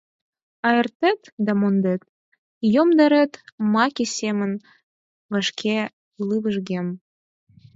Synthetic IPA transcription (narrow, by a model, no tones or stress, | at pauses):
ɑjə̆rt̪et̪d̪ɑmond̪et̪̚ | jomd̪ə̆ɾet̪mɑkʲisʲemə̆n | βə̆ʃkʲʰe | lˠɨβəʒɣʲem